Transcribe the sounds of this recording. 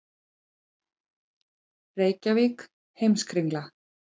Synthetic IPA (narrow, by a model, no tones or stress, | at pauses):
reːjcavɪk | hejmskɾiŋkla